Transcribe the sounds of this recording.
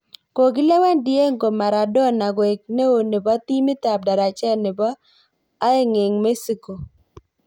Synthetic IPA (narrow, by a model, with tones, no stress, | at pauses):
ko˨ɡɪ˦lɛ˦wa˦ndɪ˦e˦ŋɡo˨ma˨ɾa˨dɔ˦˨na˨ɡwe˨k̚ne˦o˨ni˨ba˦t̪i˦mɪ˦t̪a˨p̚da˨ɾa˨t͡ʃɛ˦lnɪ˨bɔː˦ | e˦ŋɪ˨ŋme˦si˦ko˨